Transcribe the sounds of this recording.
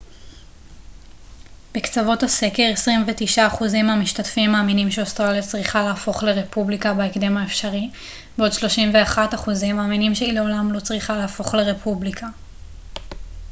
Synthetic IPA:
b̥ekt͡savo̞thase̞ke̞ʁesʁimvetiʃaːχuzimamiʃtatfimːaːminimʃeostʁalijat͡sʁiχalaːfo̞χle̞ʁe̞publikabaekde̞maefʃaʁi | beo̞dʃlo̞ʃimve̞aχataχuzimaːminimʃeile̞o̞lamlo̞t͡sʁiχalaːfo̞χle̞ʁe̞pʰublikʰa

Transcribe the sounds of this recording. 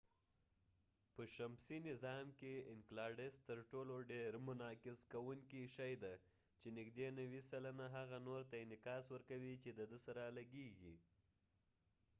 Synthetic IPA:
pəʃamsinɪzɑmkeɪŋklɑɾɖɪst̪əɾʈoloɖeɾmʊnɑkɪzkawuŋkiʃajd̪a | t͡ʃenɪɡd̪enawisalanaɦaɣanoɾt̪aɪnɪkɑswəɾkawit͡ʃed̪əd̪əsaɾalaɡeɡi

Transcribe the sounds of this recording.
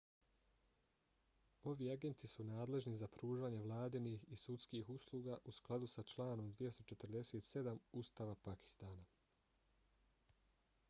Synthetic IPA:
o̞ʋiːaɡe̞nt̪isunaːd̪le̞ʒnizapɾuːʒaːɲe̞ʋlˠaːd̪inixisut̪skiːxuslˠuːɡaʔusklˠad̪usat͡ʃlˠaːno̞md̪ʋijest̪o̞t͡ʃe̞t̪əɾd̪e̞seːt̪se̞d̪amust̪aːʋapaki̥st̪aːna

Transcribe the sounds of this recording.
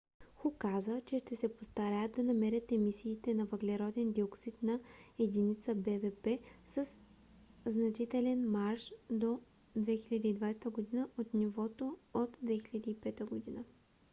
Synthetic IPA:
xukazət͡ʃɛʃt̪ɛsɛpost̪aɾat̪ːɐnɐmɛɾʲət̪ɛmisiːt̪ɛnɐvɐɡlɛɾɔd̪ɛnd̪ioksit̪nɐɛd̪init̪səbɛvɛpɛsəs | znɐt͡ʃit̪ɛlɛnmaɾʃd̪o | d̪vɛxilʲad̪iːd̪vajsɛt̪əɡod̪inəʔot̪nivɔt̪oot̪d̪vɛxilʲɐd̪iːpɛt̪əɡod̪inə

